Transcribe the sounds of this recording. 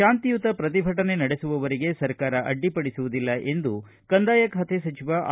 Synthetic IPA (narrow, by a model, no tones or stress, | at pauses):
aːnt̪ijut̪ɐpɾɐt̪̬ibʱɐʈɐne̞nɐɽe̞suʋɐʋɐɾiɡe̞sɐɾkaːɾɐʔɐ̰ɖːipɐɽisuʋud̪ilːɐʔe̞nd̪u | kɐnd̪aːjɐkɦɐt̪ʰesɐt͡ʃiʋaʔ